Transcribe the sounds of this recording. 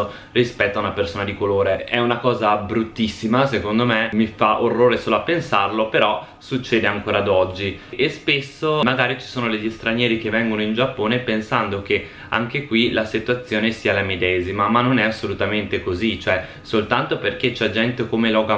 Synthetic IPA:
o | rispɛt̪ːoaunapersoːnad̪ikoloːɾeɛunakɔːzabɾut̪ːisːimasekond̪omemifaʔorːoːɾesoːloapːensarlopeɾɔ | sut͡ʃːɛːd̪eaŋkoːɾad̪ɔd͡ʒːiespesːomaɡaːɾit͡ʃi̥soːnoleʎːist̪ɾanjɛːɾikevːɛŋɡonoind͡ʒapːoːnepensand̪ok̟e | a̰ŋkekwilasit̪ːwat̪sːjoːnesiːalamed̪ɛːzimamanːonɛasːolut̪ament̪ekozit͡ʃːoɛ | solt̪ant̪operket͡ʃɛd͡ʒɛnt̪ekomelɔːɡa

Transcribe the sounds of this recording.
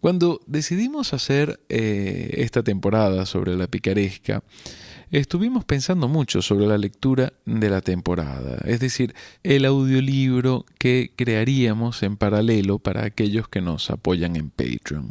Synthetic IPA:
kwand̪o̞ðe̞siðimo̞sase̞ɾeḛst̪at̪e̞mpo̞ɾað̞aso̞̰βɾe̞lapikaɾe̞ska̰ | est̪uβimo̞spe̞nsand̪o̞mut͡ʃo̞̰so̞βɾe̞lale̞k̚t̪uɾaðe̞lat̪e̞mpo̞ɾa̰ða̰e̞zðe̞siɾelawðjo̞liβɾo̞ke̞kɾe̞aɾiamo̞se̞mpaɾale̞lo̞paɾa̰ːke̞ʎo̞ske̞no̞̰sa̰po̞ʝaŋe̞mpḛjt̪ɾio̰n

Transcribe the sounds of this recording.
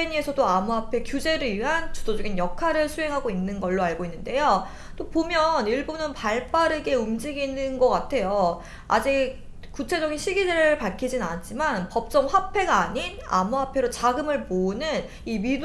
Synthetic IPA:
eɲie̞sʰʌdoamuɦapʰe̞kjud͡ʑe̞ɾɯɭiɥiɦant͡ɕudod͡ʑʌɡinjʌkʰaɾɯɭsʰuɦe̞ŋɦaɡoinːɯnɡʌɭːoaɭɡoinːɯnde̞jo | t͈opomjʌniɭbunɯnpaɭp͈aɾɯɡe̞umd͡ʑiɡinɯnɡʌk͈atʰe̞jo | a̰d͡ʑik̚ | kut͡ɕʰe̞d͡ʑʌɡinɕʰiɡideɾɯɯɭpaɭkʰid͡ʑinanat͡ɕ͈ʰimanpʌp̚t͡ɕ͈ʌmɸwapʰe̞ɡaaɲina̰muɦapʰe̞ɾot͡ɕaɡɯmɯɭponɯn | imid

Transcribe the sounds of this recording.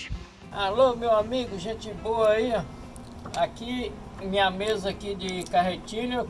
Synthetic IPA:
alomewamiɡʊʒẽt͡ʃɪboɐi | aki | mĩɲɐmezakidɪkaɦet͡ʃĩnɐ

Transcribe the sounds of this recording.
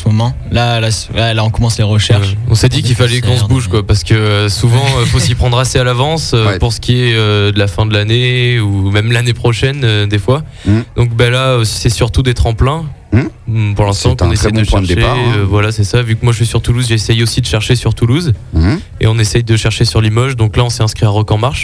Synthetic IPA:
mɔmɑ̃ | lala | alaɔ̃kɔmɑ̃sleʁəʃɛʁʃɔ̰̃sɛd̪ikilfalɛkɔ̃s̬əbuʒkwapaʁsə̥kəsuvɑ̃øfosipχɑ̃d̪ʁasealavɑ̃søpuʁsə̥kʲiɛød̪əlafɛ̃d̪əlaneumɛmlanepχɔʃɛnød̪efwa | d̪ɔ̃kbalaøsɛsyʁt̪ud̪ɛt̪χɑ̃plɛ̃ | puʁlɛ̃st̪ɑ̃kɔ̃nessɛjd̪əʃwɛ̃ʃd̪eøvwalasɛsavykmwaʒəʃɥisyʁt̪uluzʒesɛjosid̪əʃɛʁʃesyʁt̪uluz | ḛɔ̃nesɛjd̪əʃɛʁʃesyʁlimɔʒd̪ɔ̃klaɔ̃sɛɛ̃skχiaʁɔkɑ̃maʁʃ

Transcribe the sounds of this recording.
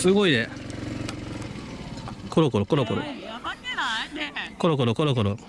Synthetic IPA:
sɨɡo̞id̪e | koɾokoɾokoɾokoɾo | koɾokoɾokoɾokoɾo

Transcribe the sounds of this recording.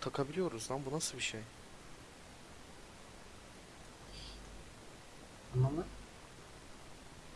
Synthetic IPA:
t̪ʰakʰabilʲijo̞ɾuzd̪anbunasɯlˠbiʃej | amama

